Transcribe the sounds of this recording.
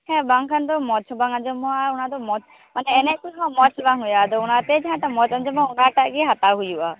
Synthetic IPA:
hɛ̃baŋkʰand̪ɔmɔt͡ʃʰɔbaŋad͡ʒɔmɔaunad̪ɔmɔ | manɛːnɛkujɦɔ̃mɔt͡ʃʰɔbaŋɦujad̪ɔunat̪ɛd͡ʒɛɦãt̪amɔt͡ʃand͡ʒɔmaunaʈaʔɡiɦat̪aɦujuʔa

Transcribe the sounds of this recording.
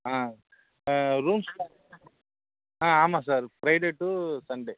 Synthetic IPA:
aː | ɾuːmsa | aaːmasaːɾpɾɐjɖeʈusɐɳɖeː

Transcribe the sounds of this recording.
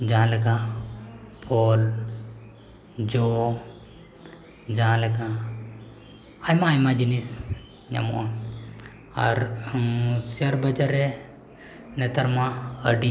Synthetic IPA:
d͡ʒãlɛka | pʰol | d͡ʒo | d͡ʒãlɛka | ajmaːjmãd͡ʒinis | ɲa̰mṵʔa | a̰ɾ | siaɾbɐd͡ʒaɾe | nɛt̪ɐɾmaəɖi

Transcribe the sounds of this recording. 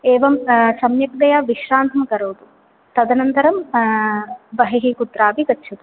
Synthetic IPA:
eːʋɐmsɐmjɐk̚d̪ɐjaʋiʃɾaːnt̪ʰɐmɐkɐɾoːt̪u | t̪ɐd̪ɐnɐnt̪ɐɾɐm | bɐɦiɦikut̪ɾaːpikɐtːʃʰɐt̪u

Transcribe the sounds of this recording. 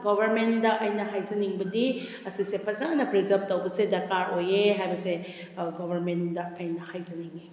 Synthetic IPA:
ɡobʱɐɾmendɐʔɐjnɐɦajzɐniŋbɐdi | ɐsisepʰɐsanɐpɾizɐp̚towbɐsedɐɾkaɾojeɦajbɐse | ɡobʱɐɾmendɐːjnɐhajzɐniŋi

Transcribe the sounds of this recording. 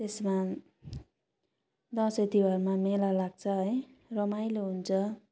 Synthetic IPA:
t̪esma | d̪ʌset̪iwʌrmamelalaɡ̚t͡sʰʌɦʌjrʌmajloɦunt͡sʰʌ

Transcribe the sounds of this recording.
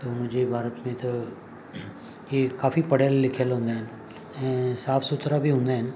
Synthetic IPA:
t̪oʊnd͡ʒebʱaːɾət̪mẽt̪ɐ | jekaːfipɐɽelːɪkʰəlɦõːnd̪aɦɪnɪ | ɛ̃saːfʰsʊt̪ɾabʱiɦõːnd̪aɦɪn̆

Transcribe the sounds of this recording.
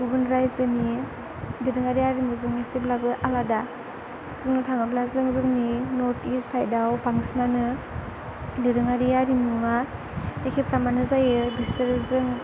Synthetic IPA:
ɡubɯnɾajzɯni | diɾɯŋaɾijaɾimuzɯŋnesteblabɯʔalada | zɯŋnɯtʰaŋɯblazɯŋzɯŋninɔtistʰajdawpaŋsnanɯ | diɾɯŋaɾiaɾimua | ekʰepɾamanɯzajɯbisɯɾɯzɯŋ

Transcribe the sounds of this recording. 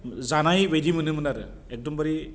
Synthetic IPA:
zanajwejdimɯnɯmɯnaɾɯ̰ | ɛk̚dɔmbaɾi

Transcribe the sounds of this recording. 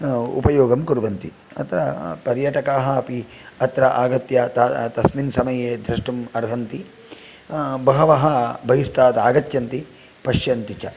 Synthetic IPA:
ṵpɐjoːɡɐmkuɾuʋɐnt̪ḭ | ɐ̰t̪ɾɐ̰pɐɾjaːʈɐkaːɦɐɐpi | ɐt̪ɾɐʔaːɡɐt̪jɐt̪at̪ɐsminsɐmɐjeːd̪ɾɐʂʈɐmɐɾɦɐnt̪i | bɐɦɐʋɐɦɐbʱɐɦist̪aːd̪aːɡɐt̪jɐnt̪i | pɐʃjɐnt̪it͡ʃɐ̰

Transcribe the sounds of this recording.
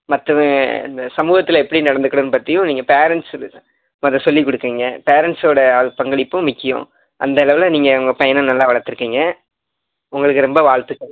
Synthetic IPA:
mɐt̪ːɐɪ̰nd̪ɐsɐmuːɣɐt̪ːɪlɛpːɐɽinɐɽɐnd̪ɯkɐɽɯnɯpɐt̪ːɪjʊ̃niːŋɡɐpeːɾɛɳʈsl | mɐðɐsɔlːikːɔɽɯkːiːŋɡɐpeːɾɛɳʈsoːɽɐɐðɯpɐŋɡɐɭɪpːʊ̃mʊkːɪjʊ̰̃ | ʔɐ̰nd̪ɐɛɭɐʋɪlɐniːŋɡɐɐŋɡɐpɐjɐnɐnɐlːaːʋɐɭɐɾt̪ːɯɾɯkːiːŋɡɐ | ʊŋɡɐɭɯk̬ːɯɾɛmbɐʋaːɻt̪ɯkːɐ

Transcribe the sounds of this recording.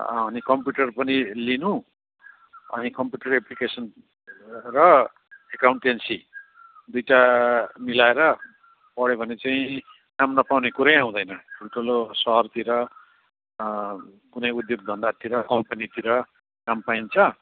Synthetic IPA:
ʌnikʌmpjuʈʌrpʌnilinũ | ʌ̰nikʌmpjuʈʌreplikesʌn | rʌ | ekawɳʈensi | d̪ujʈamilaeɾʌ | pʌɽebʱʌnet͡saĩ | kamnʌpawnekuɾʌjaw̃d̪ʌjnʌʈʰulʈʰolosʌɦʌrt̪iɾʌ | kunʌjud̪joɡd̪ʱʌnd̪at̪iɾʌkʌmpʌnit̪iɾʌ | kampaint͡sʰʌ

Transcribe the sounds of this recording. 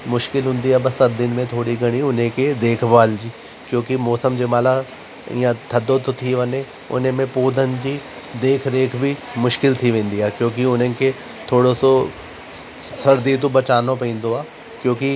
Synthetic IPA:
mʊʃkɪlɦʊ̃nd̪iabɐsɐɾd̪ɪnmẽt̪ʰoːɽiɡɐɽ̃iʊnɦẽked̪eːkʰʋaːld͡ʒiː | kjõːkimɔːsəmd͡ʒemaːla | jãt̪ʰɐd̪ːot̪ot̪ʰiʋɐnẽ | ʊ̰nɦẽmẽpoːd̪ʱənd͡ʒi | d̪eːkʰɾeːkʰbʱimʊʃkɪlt̪ʰiʋẽːnd̪iaːkjõːk̬iʊnẽke | t̪ʰoːɽoso | sɐɾd̪iːt̪̬obɐt͡ʃaːnõpĩːnd̪oaː | kjõːki

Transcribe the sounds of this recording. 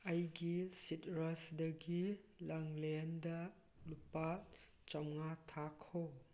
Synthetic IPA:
ɐjɡisitɾasdɐɡilɐŋlendɐ | lupa | t͡ʃawŋatʰakʰow

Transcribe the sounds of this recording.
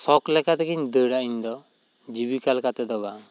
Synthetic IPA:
sɔklɛkat̪ɛkiɲd̪əɽaiɲd̪ɔd͡ʒibikalkat̪ɛd̪ɔba

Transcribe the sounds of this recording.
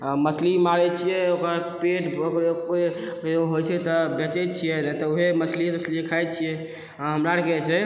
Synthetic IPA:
məslimaɾɛt͡ʃʰijɛokapeʈbokɾeokɾe | kd͡ʒeɦojt͡ʃʰɛt̪ɔbɛt͡ʃɛt͡ʃʰijɛnɛt̪ɔuɦeməslit̪əsliekʰajt̪t͡ʃʰijɛ | aɦəmɾaɾkɛt͡ʃʰɛ

